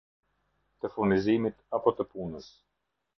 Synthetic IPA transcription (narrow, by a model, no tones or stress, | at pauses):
t̪əfunizimit̪apɔt̪əpunəs